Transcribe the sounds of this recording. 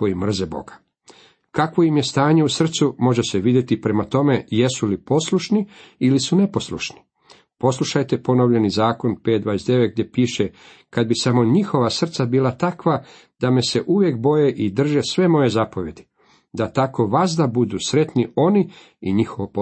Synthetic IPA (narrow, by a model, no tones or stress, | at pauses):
ko̞jimr̩zebo̞̰ɡḁ | kakʋo̞imje̞st̪aːɲe̞usr̩t̪sumo̞ʒeseʋid̪je̞t̪ipɾe̞mat̪o̞me̞je̞sulipo̞sluʃniilisune̞po̞sluʃni̥ | po̞slˠuʃajt̪e̞po̞noʋʎe̞nizaːko̞npet̪d̪ʋaːjesd̪e̞ʋet̪ɡ̚d̪je̞piːʃe | kad̪̚bisamo̞ɲixo̞ʋasr̩t̪sabiːlˠat̪akʋa | d̪̥ame̞se̞ʔuʋje̞kbo̞je̞ʔid̪r̩ʒesʋe̞mo̞je̞zapo̞ʋje̞d̪i | d̪at̪ako̞ʋazd̪abud̪uːsɾe̞t̪nio̞ni | iɲixo̞ʋop